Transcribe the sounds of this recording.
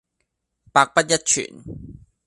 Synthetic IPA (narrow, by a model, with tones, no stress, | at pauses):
paː˧k̚pɐ˥t̚jɐ˥t̚t͡ʃʰy̰ː˨˩n